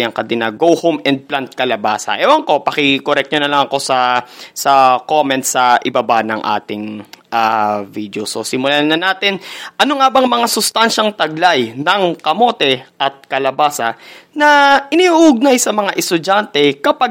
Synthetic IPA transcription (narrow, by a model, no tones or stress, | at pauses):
jɐŋkɐd̪ɪnaɡowhomɛnd̪̚plant̪̚kɐlɐbaːsɐ̰ʔɛwɐŋko̞pɐkɪkoɾɛk̚t̪t͡ʃonɐlɐŋɐko̞sɐsɐkomɛnt̪̚sɐʔɪbabanɐŋʔa̰ːt̪ɪŋʔavid̪jososɪmʊlanɐnaːt̪ɪnʔɐnoŋaːbɐŋmɐŋasʊst̪anʃɐŋt̪ɐɡlajnɐŋkɐmo̞t̪ɛʔɐt̪̚kɐlɐbaːsɐnɐʔɪnihuʔʊɡ̚najsɐmɐŋaʔɛst̪ʊd͡ʒant̪ɛkɐpa